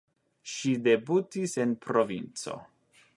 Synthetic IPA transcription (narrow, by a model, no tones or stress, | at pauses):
ʃide̞butise̞npɾo̞vint͡so̞̰